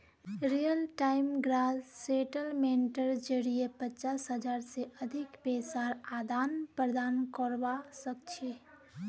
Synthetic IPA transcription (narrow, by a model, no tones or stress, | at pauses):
ɾijəlʈaːɪmɡɾaːzseːʈəlmenʈəɾd͡ʒəɽiepət͡ʃaːsɦəd͡ʒaːɾseʔɐd̪ʱɪkpeːsaːɾaːd̪aːnpɾəd̪aːnkəɾwasək̚t͡ʃʰe